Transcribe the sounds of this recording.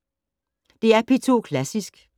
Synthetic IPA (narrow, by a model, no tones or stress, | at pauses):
d̥e̝æɐpʰet͡sʰo̝kʰlæsisɡ̥